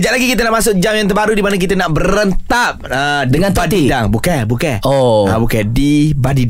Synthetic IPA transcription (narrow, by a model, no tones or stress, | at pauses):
d͡ʒalaɡikit̪anaʔmasʊk̚d͡ʒamjaŋt̪̬ərbaɾudimanak̬it̪anaʔbərənt̪aʔ | ədəŋanpadidaŋbukabukaoa̰bukadibadid